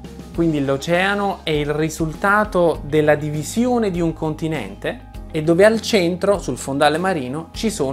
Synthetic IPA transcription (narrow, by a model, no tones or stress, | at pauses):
kwind̪ilot͡ʃɛːanoɛilrizult̪aːt̪od̪elːad̪ivizjoːned̪iuŋkʰont̪inɛ̰nt̪eː | d̪ːoːvealt͡ʃɛnt̪ɾosulfond̪aːlemaɾiːnot͡ʃisoː